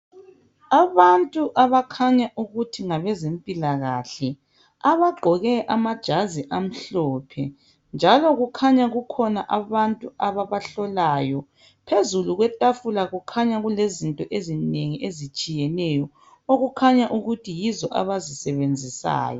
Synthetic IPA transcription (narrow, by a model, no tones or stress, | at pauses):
aβantʼuʔaβakʰaɲaʔuɣutʰiŋaβɛzempʼilaɣaɬɛ | aβaɡ͡ǃʱɔɣɛʔamad̥ʒ̥ʱaziʔam̩ɬɔːpʰɛ | nd͡ʒʱalɔɣukʰaɲaɣukʰɔnaʔaβantʼuaβaβaɬɔlajɔ | pʰezuluɣwɛtʼafulaɣukʰaɲaɣulezintʼɔʔezineŋiʔezit͡ʃʼijɛnɛjɔ | oɣukʰaɲaʔuɣutʰijizɔʔa̰βazisɛβend͡zʱisa̰ːjɔ̰